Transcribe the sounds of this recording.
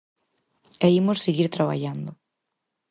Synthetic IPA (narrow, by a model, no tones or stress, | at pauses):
ɛimʊsseɣiɾt̪ɾaβa̰ʎand̪ʊ